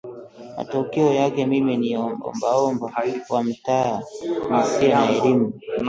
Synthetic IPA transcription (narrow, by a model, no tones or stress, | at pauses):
ma̰tɔkɛɔjakɛmiminiɔmbɔ̰mbaɔmbawam̩tanasiɔnaɛɾimu